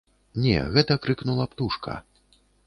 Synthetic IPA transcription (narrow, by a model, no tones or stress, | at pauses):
nʲɛ̰ɣɛt̪ɐkɾɨknulˠɐpt̪uʂkʰɐ̰